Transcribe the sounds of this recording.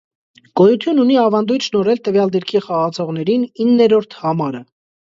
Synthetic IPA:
ɡ̥ɔjut̪ʰjununiɑvɑnd̪ujt̪ʃnɔɾɛlt̪əvjɑld̪iɾkʰiχɑʁɑt͡sʰɔʁn̪ɛɾininːɛɾɔɾt̪ʰhɑmɑɾə

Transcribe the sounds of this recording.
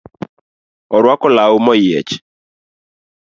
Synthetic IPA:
ɔɾwakɔlaʊmɔjɛ̰t͡ʃ

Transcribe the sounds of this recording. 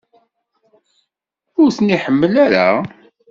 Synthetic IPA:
ʊɾθniħəmːəlaɾa̰

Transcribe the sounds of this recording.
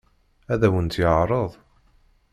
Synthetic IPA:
æðæwənt̪jəʕɾˤəðˤ

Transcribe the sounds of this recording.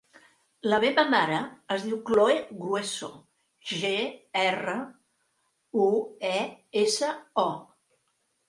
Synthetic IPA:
ləβeβəmaɾəəzðiwkloeɣɾweso̰ | ʒeɛrə | uɛesəɔ

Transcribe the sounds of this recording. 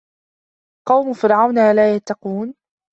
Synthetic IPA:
qɑwmʊfɪɾʕawnaːlaːjat̪ːɑquːn

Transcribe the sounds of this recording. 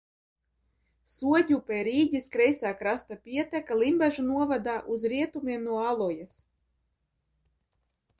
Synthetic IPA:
suɔɟʲupʲɛjɾiːɟʲiskɾɛjsaːkɾast̪apʲiɛt̪ækalˠimbaʒunuɔvad̪aːʔuzɾiɛt̪umʲiɛmnuɔalˠɔjas

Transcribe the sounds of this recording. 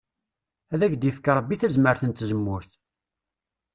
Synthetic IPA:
æðæçd̪jəfkɑɾˤəbːiθæzməɾθənt̪ːzəmːʊɾθ

